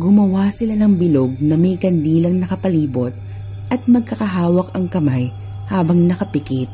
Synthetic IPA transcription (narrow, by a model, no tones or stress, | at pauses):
ɡʊmɐwasɪlanɐŋbɪloɡ̚nɐmɐjkɐnd̪iːlɐŋnɐkɐpɐliːbot̪̚ | ʔɐt̪̚mɐɡ̚kɐkɐɦaːwɐkɐŋkɐmaj | haːbɐŋnɐkɐpɪkit̪̚